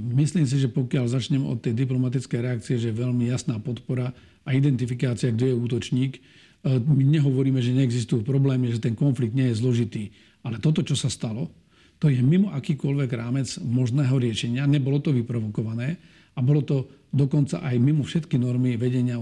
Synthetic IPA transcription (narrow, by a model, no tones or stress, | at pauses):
misliːms̬iʒɛpɔkɪalzat͡ʃɲɛmɛɔ̰t̪ːɛjd̪iplɔmat̪it͡skɛjɾɛakt͡siɛʒɛjɛʋɛlmijasnaːpɔt̪pɔɾa | aid̪ɛnt̪ifikaːt͡siaɡɟɛjɛuːt̪ɔt͡ʃɲiːk | miɲɛɦɔʋɔɾiːmɛʒɛɲɛɛɡzist̪ujupɾɔblɛːmiaʒɛt̪ɛnkɔnfliɡ̚d̪ɲɪɛjɛzlɔʒit̪iː | alɛt̪ɔt̪ɔt͡ʃɔsast̪alɔ | t̪ɔjɛmimɔʔakiːkɔlʋɛɡɾaːmɛd͡zmɔʒnɛːɦɔɾɪɛʃɛɲɪaɲɛbɔlɔt̪ɔʋipɾɔʋɔkɔʋanɛː | abɔlɔt̪ɔ | d̪ɔkɔnt͡sa̰ʔajmimɔfʃɛt̪kinɔɾmiʋɛɟɛɲɪa